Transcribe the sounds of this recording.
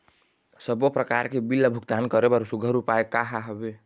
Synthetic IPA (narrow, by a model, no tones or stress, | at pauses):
səbopɾəkaɾkebilːəbʱukt̪ankəɾebəɾsuɡʱəɾupaekaɦaɦɔbe